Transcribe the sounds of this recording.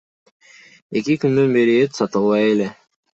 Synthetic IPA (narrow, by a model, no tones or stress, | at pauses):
e̞kikynd̪ønbeɾiet̪sɑt̪ɯlˠβɑjele̞